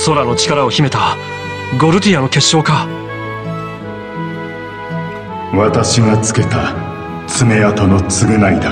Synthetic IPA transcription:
so̞ɾano̞t͡ɕi̥kaɾao̞çime̞t̪a | ɡo̞ɾɯ̟t̪ʲijano̞ke̞ɕːo̞ːka | βat̪aɕiɡat͡sɨ̥ke̞t̪a | t͡sɨme̞at̪o̞no̞t͡sɨɡɯ̟naid̪a

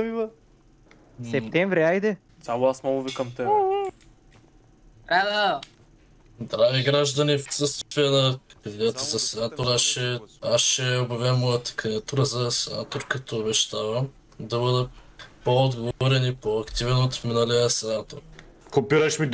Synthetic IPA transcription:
mivə | sɛp̚t̪ɛɱvɾʲiajd̪ɛ | sʲamʊasmɔɡʊvikɐmt̪ɛ | ɾad̪a | d̪ɾaviɡɾaʒd̪ɐnifsəst̪vijənɐkd̪id̪at̪əzɐsɛnat̪oɾaʃɛasʃɛobjɐvʲɛmːɔjət̪ə̥kɐnʲɛt̪uɾəzɐsɛna̰t̪oɾkɐt̪ʰoːβɛʃt̪avəm | d̪ɐβɤd̪ə | poːd̪ɡovɔɾɛnipoɐkt̪ivɛnot̪minaliəsɛnat̪oɾ | kopiɾɐʃmi

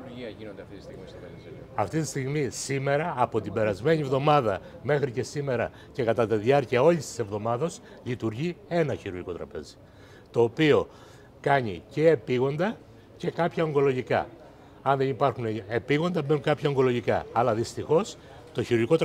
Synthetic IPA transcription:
iɐinond̪ɐft̪it̪ist̪iis | ɐft̪it̪ist̪iɣmisime̞ɾɐːpo̞t̪ibe̞ɾɐzme̞ɲie̞vðo̞mɐðɐme̞xɾice̞sime̞ɾɐ | ce̞kɐt̪ɐt̪iðiɐɾciɐo̞ʎist̪i̥se̞vðo̞mɐðos | lit̪uɾʝie̞nɐçiɾuɾʝiko̞t̪ɾɐ̰pe̞̰zi̥ | t̪o̞ːpio̞ | kɐɲice̞ːpiɣo̞nd̪ɐ | ce̞kɐpçɐoŋɡo̞lo̞ʝikɐ̰ | ɐnðe̞nipɐɾxuneepiɣond̪ɐmbenuŋkɐpçɐoŋɡo̞lo̞ʝikɐ̰ːlɐðist̪ixo̞s | t̪o̞çiɾuɾʝikot̪

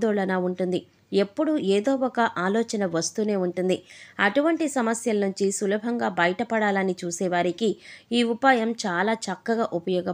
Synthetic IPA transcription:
d̪ɔːɭɐnaːuɳʈund̪i | e̞pːuɽueːd̪oːɔkɐʔaːlɔːt͡ʃɐnɐʋɐst̪uːne̞ːuɳʈund̪iɐʈuʋɐɳʈisɐmɐsjɐlɐnuɲt͡ʃisulɐbʱɐŋɡaːbɐjɐʈɐpɐɽaːlɐnit͡ʃuːsɛːʋaːɾikiiːupaːjɐmt͡ʃaːlaːt͡ʃɐkːɐɡaːʔupɐjɔːɡɐ

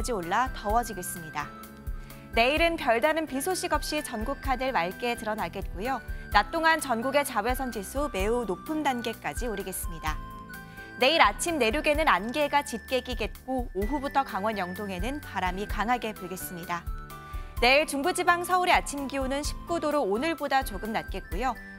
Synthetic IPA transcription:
d͡ʑioɭːatʌwʌd͡ʑiɡe̞s͈ɯmɲida | ne̞iɾɯnpjʌɭdanɯnpisʰoɕʰiɡʌp̚ɕ͈it͡ɕʌnɡukʰanɯɭmaɭk͈e̞tɯɾʌnaɡe̞t̚k͈ujonat͈oŋant͡ɕʌnɡuɡe̞t͡ɕawe̞sʰʌnd͡ʑisʰume̞unopʰɯndanɡe̞k͈ad͡ʑioɾiɡe̞s͈ɯmɲida | ne̞iɾat͡ɕʰimne̞ɾjuɡe̞nɯnanɡe̞ɡat͡ɕit̚k͈e̞ɡiɡe̞t̚k͈oːɦubutʰʌkaŋwʌnjʌŋdoŋe̞nɯnpaɾamikaŋɦaɡe̞poɭɡe̞s͈ɯmɲida | ne̞iɭt͡ɕuŋbud͡ʑibaŋsʰʌuɾeat͡ɕʰimɡionɯnɕʰi̥p̚k͈udoɾoːnɯɭbodat͡ɕoɡɯmnat̚k͈e̞t̚k͈ojo

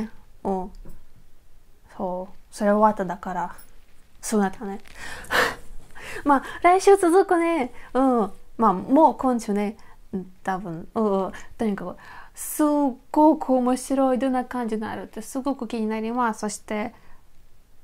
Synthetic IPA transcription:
ɯ̃ | so̞ːso̞ɾe̞oβat̪ːad̪akaɾa | sɨoːnat̪ʰːane | maːɾaiɕɨːt͡sɨzɨkɯ̟ne̞ɯ̟̃maːmoːkõnd̪eɕone̞ | t̪abɯ̟̃nɯ̃t̪o̞ɲ̟ikakosɨɡ̥o̞kʰɯomoɕiɾo̞id̪õ̞nːakãɲ̟d͡ʑiɡaa̰ɾɯ̟t̪ːesɨɡo̞kɯ̟kʲiɲ̟inaɾʲimaso̞ɕi̥t̪e̞

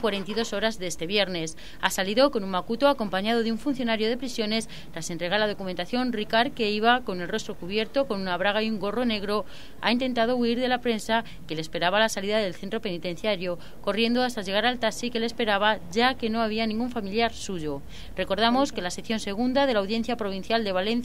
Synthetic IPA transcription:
kwaɾe̞nt̪iðo̞so̞ɾazðe̞st̪e̞βje̞ɾne̞s | asaliðo̞ko̞numakut̪oako̞mpaɲað̞o̞ð̞euɱfunθjonaɾjo̞ðe̞pɾisjo̞ne̞s | t̪ɾase̞nt̪ɾe̞ɣalað̞o̞kume̞nt̪aθjo̞nrikaɾke̞iβ̞ako̞ne̞lro̞st̪ɾo̞kuβ̞je̞ɾt̪o̞ko̞nunaβ̞ɾaɣ̞aiuŋɡo̞ro̞ne̞ɣ̞ɾo̞ | a̰int̪e̞nt̪að̞o̞uiɾðe̞lapɾe̞nsa | ke̞lespe̞ɾaβalasaliðaðe̞lθe̞nt̪ɾo̞pe̞nit̪e̞n̟θjaɾjo̞ | ko̞rje̞nd̪oast̪aʎe̞ɣ̞aɾalt̪asike̞lespe̞ɾaβaʝake̞no̞aβianĩŋɡuɱfamiljaɾsuʝo̞ | re̞ko̞ɾð̞amo̞ske̞laseθjo̞nse̞ɣ̞und̪að̞e̞lawðje̞n̟θjapɾo̞β̞in̟θjald̪e̞β̞ale̞nθ

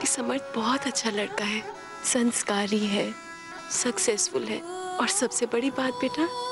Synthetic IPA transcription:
isɐməɾt̪ʰbɔɦɔt̪ɐtːʃʰalɐɽkaɦɛː | sɐ̃nskaːɾiɦɛː | sɐksɛːsfʊlɦɛ̰ːɔːɾsɐbsebɐɽibaːt̪̚beːʈʰa

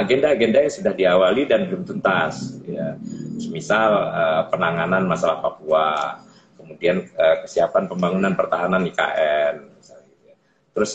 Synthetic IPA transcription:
aɡendaːɡendajasudahdiawalidanbəlumt̪unt̪asjat̪smisaləpənaŋananmasalahpapua | kəmudianəkə̥siapanpəmbaŋunanpərt̪aɦananika̰ʔɛnisalija | t̪əɾʊs

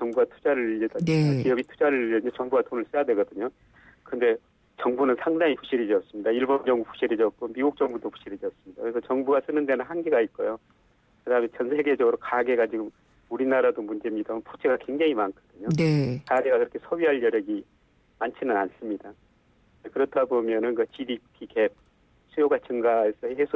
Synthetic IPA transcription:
t͡ɕʌŋbuɡatʰu̥d͡ʑaɾɯɭiʎːʌdʌɲokiʌbitʰud͡ʑaɾɯɭiʎːʌɯɲot͡ɕʌŋbuɡatʰonɯɭs͈ɯjadwe̞ɡʌdɯɲo | kɯnde̞ | t͡ɕʌŋbunɯnsʰaŋdaŋipɸu̥ɕ͈ʰiɾid͡ʑʌs͈ɯmɲidaiɭbʌmjʌŋɡuɸʰu̥ɕ͈ʰiɾid͡ʑʌk͈omiɡuk̚t͡ɕ͈ʌŋbudopʰu̥ɕ͈ʰiɾid͡ʑʌs͈ɯmɲid̥akɯɾesʰʌt͡ɕʌŋbuɡas͈ɯnɯndenɯnhanɡiɡait̚k͈ojo | kɯdaɦːmet͡ɕʌnsʰe̞ɡe̞d͡ʑʌɡɯɾokaɡe̞ɡat͡ɕiɡɯm | uɾinaɾadomund͡ʑe̞mɲidanpʰut͡ɕʰeɡakwe̞ŋd͡ʑaŋimankʰʌd̥ɯɲonekaɡe̞ɡakɯɾʌkʰe̞sʰʌɥiɦaɭjʌɾjʌɡi | mant͡ɕʰinɯnans͈ɯmɲida | ekɯɾʌtʰabomjʌnɯnkɯt͡ɕidipʰikʰep̚ | sʰujoɡat͡ɕɯŋɡaesʰʌhe̞sʰo

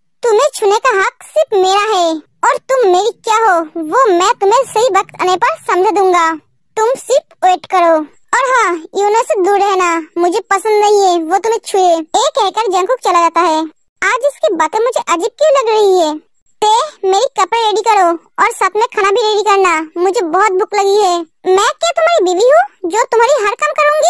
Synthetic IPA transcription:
t̪ʊmẽt͡ʃʰʊnekaɦɐksɪɾpʰmeːɾaɦɛ | ɔːɾt̪ʊmːeːɾikjaːɦoːʋoːmɛ̃t̪ʊm̤ẽsɐɦiʋɐkt̪a̰nepɐɾsɐ̃md͡ʒʱd̪ũːŋɡaː | t̪ʊmsɪɾpʰweːʈkɐɾoː | ɔːɾɦãːjuːnəsd̪uːɾɛɦnamʊd͡ʒʱepɐsə̃nd̪nɐɦĩɦɛʋot̪ʊm̤ɦẽt͡ʃʰueːeːkɛɦkəɾd͡ʒɐ̃kʊk̚t͡ʃɐlad͡ʒaːt̪aɦɛː | aːd͡ʒɪskibaːt̪emʊd͡ʒʱeʔɐd͡ʒib̚kilɐɡɾɐɦiɦɛː | t̪eːmeːɾikɐpɾeɾeːɖikɐɾo | ɔːɾsaːt̪ʰmẽkʰaːnabʱiɾeːɽikɐɾnamʊd͡ʒʱebɔːʊt̪̚bʱʊklɐɡiɦɛː | mɛ̃ːket̪ʊm̤ɦaːɾibiːʋiɦod͡ʒoːt̪ʊmɦaːɾiɦɐɾkəmkɐɾũːŋɡiː

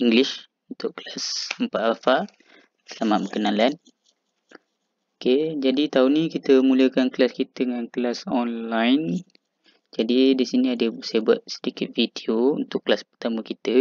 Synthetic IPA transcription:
iŋɡlɪs | unt̪ʊʔklasəmpat̪afa | səlamaʔ̪̚bəkənalan | oked͡ʒadit̪aunikit̪əmũləkanklaskit̪əŋanklasɔnlajn | d͡ʒadidisinĩadəsajəbua̰t̪̚sə̥dikɪt̪̚vidioṵnt̪ʊʔkːlaspərt̪aməkit̪ə

